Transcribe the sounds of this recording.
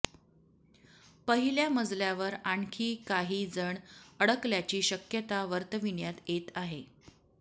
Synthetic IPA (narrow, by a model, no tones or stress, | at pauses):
pəɦiljaməd͡zljaʋəɾaɳkʰiːkaɦiːd͡zəɳəɽəkljat͡ɕiːɕəkjət̪aʋəɾt̪əʋiɳjat̪jet̪aɦe